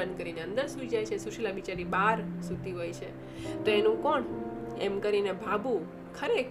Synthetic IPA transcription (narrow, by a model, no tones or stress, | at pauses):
ən̚kəɾineə̃nd̪əɾsuid͡ʒajt͡ʃʰesuʃilabit͡ʃaɾibaɾsut̪iɦojt͡ʃʰe | t̪oenũkoɳemkəɾinebʱabʱu | kʰəɾek